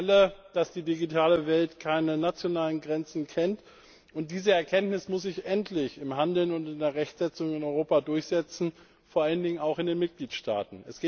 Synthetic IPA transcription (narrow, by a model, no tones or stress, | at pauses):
ləd̥asd̥iːdiɡitʰaːləvɛltkʰaɪnənat͡sjonaːlənɡʁɛnt͡sn̩kʰɛnt | ʔʊnt̚d̥iːzəɛɐkʰɛntnɪsmʊs̬z̥ɪçʔɛntʰlɪçɪmhandl̩nʊntɪndeːɐʁɛçtz̥ɛt͡sʊŋɪnɔʏʁoːpadʊɐçz̥ɛt͡sn̩ | foːɐʔaləndɪŋənaʊxɪndeːnmɪt̚ɡ̥liːtʃta̰ːtn̩ɛsɡ̥eː